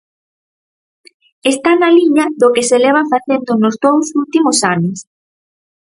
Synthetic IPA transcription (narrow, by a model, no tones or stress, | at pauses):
est̪anɐliɲɐðʊkeselɛβ̞ɐfaθend̪ʊnozðowsult̪imʊsanʊs